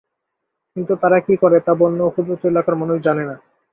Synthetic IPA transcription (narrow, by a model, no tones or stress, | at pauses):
kint̪ut̪aɾakikɔɾet̪abonːokʰud̪bot̪oelakaɾmanuʃd͡ʑanena